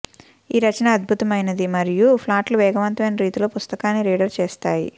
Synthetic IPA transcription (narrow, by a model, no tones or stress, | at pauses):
iːɾɐt͡ʃɐnaːd̪̚bʱut̪ɐmɐjnɐd̪imɐɾijupʰlaːʈluʋɛːɡɐʋɐnt̪ɐmɐjnɐɾiːt̪ilo̞ːpust̪ɐkaːnːiɾiːɽɐɾt͡ʃeːst̪aːjḭ